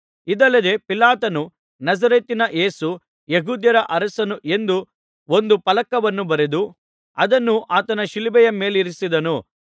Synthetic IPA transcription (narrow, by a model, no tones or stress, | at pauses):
id̪ɐlːɐd̪e̞pilaːt̪ɐnu | nɐd͡ʒɐɾeːt̪inɐʔe̞ːsu | jeɡuːd̪jɐɾɐʔɐɾɐsɐnuʔe̞nd̪u | o̞nd̪upɐlɐkːɐʋɐnːubɐɾed̪u | ɐd̪ɐnːuʔaːt̪ɐnɐʃilibɛjɐme̞ːliɾisid̪ɐnu